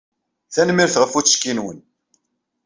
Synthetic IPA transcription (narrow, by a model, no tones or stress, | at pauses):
θænmiɾθʁəfu̥ʃkːinwən